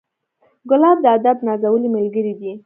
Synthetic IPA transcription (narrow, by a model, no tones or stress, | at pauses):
ɡʊlɑb̚d̪əad̪abnɑzawəlimɪlɡəɾid̪i